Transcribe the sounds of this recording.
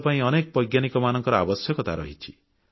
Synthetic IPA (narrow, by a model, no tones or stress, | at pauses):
paĩɔnekɔbɔjɡjanikɔmanɔŋkɔɾɔa̰bɔsjɔkɔt̪aɾɔ̰ɦit͡ʃʰi̥